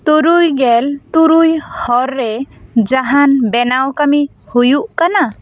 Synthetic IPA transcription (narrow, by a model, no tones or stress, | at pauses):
t̪uɾujɡelt̪uɾujhɔɾːed͡ʒaɦanbenawkami | hujuʔkana